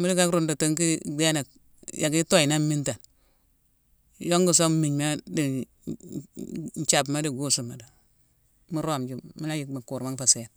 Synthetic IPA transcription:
mu˦di˦ka˦kɾu˨ndo˨te˨˦ŋki˦ɡe˦na˨k̚ | jʔa˨ki˦to˦˨i˨na˦mi˦nta˨n | jo˦ŋɡu˨s̬o˦mi˨ɲma˦di˨ | n˨˦t͡ʃa˨bma˦di˨ɡu˦su˨ma˨da˨ | mu˦ɾo˦˨md͡ʒu˦mi˦la˦ji˨ma˨ku˨ɾma˦ŋ˦fa˨se˨n

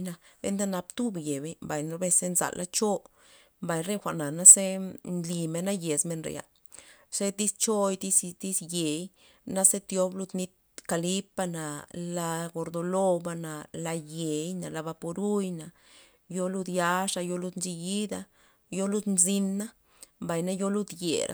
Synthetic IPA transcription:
na˧bḛ˦nd̪a˦na˧bt̪u˦bje˨be˦mba˨jno˧be˧se˦nza̰˨lʔa˦t͡ʃo˦ | mba˨jɾe˦xʷa˨ʔna˨na˦se˦nli˨˧me˧na˦je˨sme˧nɾḛ˨ja̰˨ | se˦t̪i˦st͡ʃo˦jt̪i˦st̪i˦sje˨j | na˦se˦t̪jo˧˦blu˦˧d̪ni˦t̪̚ | ka˧li˦pa˧na˨la˧ɡo˧ɾd̪o˧lo˦ba˧na˨la˧je˨jna˨la˧ba˧po˧ɾu˦jna˨ | jo˧lu˧d̪ja˦ʂa˧jo˧lu˦d̪nt͡ʃi˧ji˦d̪a˧ | jo˦lu˦d̪nzi˦nːa˦ | mba˨jna˦jo˦lu˦d̪jḛ˨ɾʔa̰˦

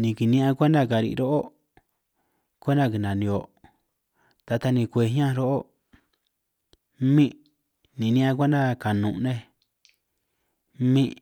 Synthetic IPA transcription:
nĩ˨˧ki˨nĩ˦ʔã˧kʷe˦nd̪a˦˨ka˨ɾḭ˧ɾo˦ʔo˦ | kʷe˦nd̪a˦˨ki˧nã˨nĩ˧o˨ | t̪a˧t̪a˧nĩ˧kʷe˧ɦã˦˧ɾo˦ʔo˦ | mĩ˦ʔ | nĩ˨nĩ˦ʔã˧kʷe˦nd̪a˦ka˨nũ˨ʔnẽ˦ | mĩ˦

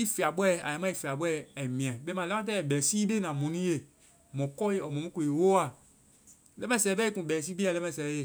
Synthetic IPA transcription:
i˦fi˨a˨bɔ˦˨a̰˨a˨mã˦i˨fi˨a˨bɔ˦˨ɛ˨mĩ˨ã˨˦be˦mã˨lɛ˦ã˦t̬ɛ˦ɛ˨bɛ˨si˦be˦nã˨mɔ̃˨nũ˦je˨ | mɔ̃˨kɔ˦je˦ɔ˨mɔ̃˨mũ˦ko˨e˨wo˦a˨ | lɛ˦mɛ̃˨sɛ˨˦bɛ˦i˦kũ˨bɛ˨si˦ɡ͡be˦a˨lɛ˦mɛ̃˨sɛ˨˦je˦˨

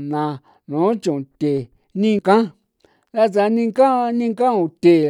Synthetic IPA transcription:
nã˧ | nũ˨˦t͡ʃũ˨t̪e˨ | nĩ˦˧kã˦ | la˦t͡sa˧nĩ˦˧ka˦nĩ˦kã˦ũ˧˨t̪e˨

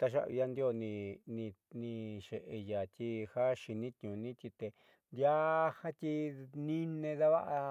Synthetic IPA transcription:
t̪a˧ʃa̰˦βḭ˧ja˦˧nd̪jo˧nĩ˧nĩ˧nĩ˧ʃe˨ʔe˧ja˨t̪i˧ha˦ʃi˧nĩ˦t̪ɲũ˨nĩ˦t̪ʲi˧t̪e˧ | nd̪ja˦ha˦t̪ʲi˧nĩ˦nẽ˧ða˦βa˦ʔa˧

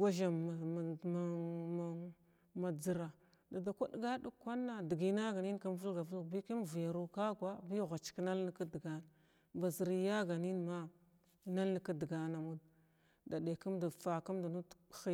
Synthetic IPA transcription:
ɡʷa˦ʒa˨m˨ma˨ma˨ | ma˨d͡zi˨ɾa˨ | da˨da˨kʷa˦ɗɡa˦du˦kːa˦nːa˨di˨ɡi˨˦na˦ɡa˨ni˦n˦ka˦m˦vu˦lɡa˨və˦lbi˦ki˦m˨vja˨ɾu˦ka˦ɡwa˦bi˦˨ɣʷa˨t͡ʃkna˦ln˦ka˦dɡa˨na˨ | ba˨zi˨ɾi˦ja˦ɡa˨ni˦nma˦ | na˦lka˦dɡa˨na˨mu˦d | da˨de˨ku˦mda˨fa˨ka˦mda˨nu˦txi˦

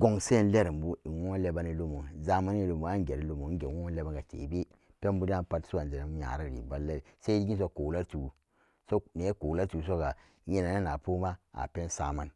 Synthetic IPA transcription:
ɡo˨ŋse˦˨n˦le˦ɾi˨m˨bu˦i˨wo˦le˦ba˦ni˨lo˦mu˨ŋza˦ma˦n˦i˨lo˨mu˨a˦ŋ˦ɡe˨ɾi˦lo˦mu˨˦ɡe˨wo˦le˦ba˦ŋɡa˨t͡ʃḛ˨be˦ | pe˦m˦bu˦di˦a˦pa˦tsu˦a˨d͡ʒe˨ɾe˨˦ɲa̰˨ɾa˦˨ɾḭ˨ba˨lle˦ɾse˦di˦ɡi˦s̬o˦ko˨la˦tu˨˦ | so˦ne˨˦ko˨la˦tu˨s̬o˦ɡa˨˦ | je˨na˨ne˦na˨po˦ma˦a̰˨pe˦n˦sa˦ma˦n

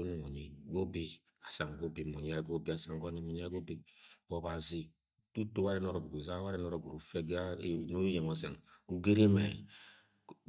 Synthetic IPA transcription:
o˦nu˨mo˨ɲi˨ɡo˦bi˦ | a˨sa˨ŋ˨ɡo˦bi˨mo˨ɲ˨˦a˦˨ɡo˦bi˦a˨sa˨ŋɡo˦ni˨mo˨ɲ˦a˦ɡo˦bi˦ɔ˨ba˨zi˦ | tu˦to˦wa˦ɾe˦n˦o˦ɾɔ˨ɡu˨ɡu˨za˦wa˦ɾi˦nɔ˦ɾɔ˨ɡu˨u˨fɛ˦ɡa˦no˦je˨ŋɔ˦se˨nku˦ɡe˦ɾe˦me˨

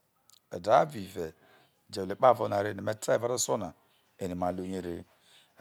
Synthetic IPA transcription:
ḛ˨da˨˦bi˨ve˨ | d͡ʒe˨le˨k͡pa˦˨vo˦na˨ɾe˦˨ne˨me˦tʰa˦˨va˦ɾo˦so˦na˨ | e˨ni˨ma˨lo˦ɲe˦ɾḭ˦

